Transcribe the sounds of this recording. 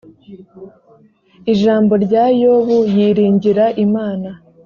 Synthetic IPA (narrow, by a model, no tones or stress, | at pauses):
iʒaːmbo̞ɾɟaːjoβujiːɾiːɲɟiɾaʔimaːna